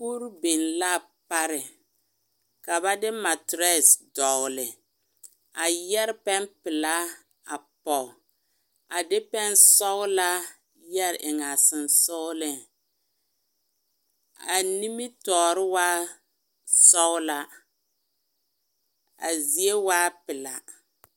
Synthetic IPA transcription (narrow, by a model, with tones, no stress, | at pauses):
ku˦ɾbɪ˨nla˦˨ | pa˦ɾɪ˨ | ka˨ba˦dɪ˦ma˨tɾɛ˦˨sdɔ˨ɣʊ˨lɪ˨ | a˨jɛ˦ɾɪ˦pɛ˦mpɪ˨la˦ | a˨pɔ˨ | a˨dɪ˦pɛ˦n˦sɔ˦ɣʊ˦la˦ | jɛ˦ɾɪ̰˨ʔɪ˨ŋa˨sɪ˨nsʊ˦ɣlɪ˦ŋ | a˨ni˦mi˦tɔː˨ɾɪ˦waː˦ | sɔ˦ɣʊ˦la˦ | a̰˨zi˨e˦waː˦pɪ˨la˨